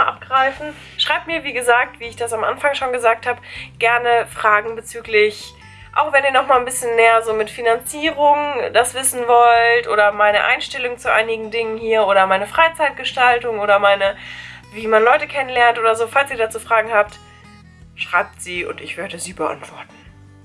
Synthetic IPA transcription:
ʔa̰p̚ɡ̥ʁaɪfn̩ | ʃʁ̥aɪp̚tmiːɐviːɡəzaːk̚tv̥iːɪçd̥asamʔa̰nfaŋʃoːnɡəzaːk̚thaːbəɡ̥ɛɐnəfʁ̥aːɡŋ̩bət͡syːklɪç | ʔa̰ʊxv̥ɛniːɐnɔχmaːlnbɪsçənneːɐzoːmɪtfinant͡siːʁʊŋdasv̥ɪsn̩vɔltʔoːdɾɐmaɪnəʔa̰ɪnʃtɛlʊŋt͡suʔa̰ɪnɪɡŋ̩dɪŋənhiːɐʔoːɾɐmaɪnəfʁ̥aɪt͡saɪt̚ɡ̥əʃtaltʊŋʔoːɾɐmaɪnəviːmanlɔʏtəkʰɛnənlɛɐntʔoːdɐzoːfalsiːɐdaːt͡suːfʁ̥aːɡŋ̩haːp̚t | ʃʁ̥aɪp̚tz̥iːʔʊ̰ntɪçv̥eːɐdəziːbəʔa̰ntv̥ɔɐtn̩

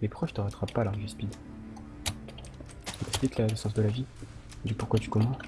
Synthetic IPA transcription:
lepχɔʃt̪əʁat̪χapːalaʁʒispid̪ | tyɛkspliklaləsɑ̃sd̪əlavi | d̪ypuʁkwat̪y̥kɔmɑ̃

